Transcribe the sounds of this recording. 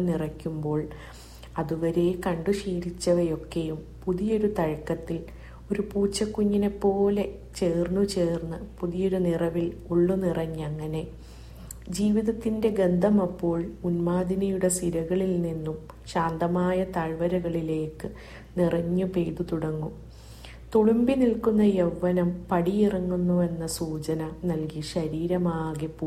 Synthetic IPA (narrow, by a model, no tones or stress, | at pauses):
nirɐkʲːumbo̞ːɭ | ɐðuʋɐɾe̞kɐɳɖuʂiːɾit͡ɕːɐðɐjo̞kːe̞jum | puðijo̞ɾut̪ɐɻkːɐt̪ːil | o̞ɾupuːt͡ɕːɐkːuɲːine̞pːo̞ːle̞ | t͡ɕe̞ːrnːut͡ɕeːrnːɨpuðijo̞ɾunirɐʋiluɭːunirɐɲːɐŋːɐne̞ | d͡ʑiːʋiðɐt̪ːinde̞ɡe̞nd̪ʱɐmɐpːo̞ːɭunmaːd̪inɐjuɽe̞siɾɐɣɐɭilninːum | ɕaːnd̪ɐmaːjɐt̪ɐɻʋɐɾɐɣɐɭile̞ːkːɨ | nirɐɲːupe̞jðut̪uɽɐŋːum | t̪uɻumbinilkunːɐjeʋːɐnɐmpɐɽijirɐŋːunːuʋe̞nːɐsuːt͡ɕɐnɐnɐlkiɕɐɾiːɾɐmaːɣepːu